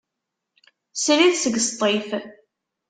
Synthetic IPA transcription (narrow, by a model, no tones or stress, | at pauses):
sliθsəɡst̪ˤːef